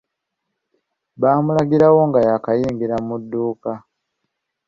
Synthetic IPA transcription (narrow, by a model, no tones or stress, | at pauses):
βaːmulaɡiɾawo̞ŋɡajakajiːŋɡiɾamudːuːka